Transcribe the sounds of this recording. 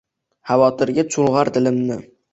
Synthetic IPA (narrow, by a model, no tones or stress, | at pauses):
havɒt̪ʰɪɾɡʲat͡ʃʰʊlʁaɾd̪ɪlɪmnɪ